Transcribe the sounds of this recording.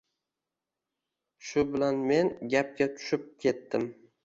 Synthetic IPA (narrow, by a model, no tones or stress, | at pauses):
ʃʊbɪlanme̞nɡʲap̚kʲat̪ʰʊ̥ʃɪp̚kʲʰe̞t̪ːɪm